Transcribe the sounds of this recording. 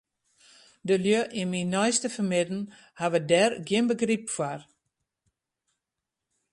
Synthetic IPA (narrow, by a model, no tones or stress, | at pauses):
dəljøʔiminɔjstəfərmɪdn̩ | haʋədɛrɡjɪnbəɡripfwar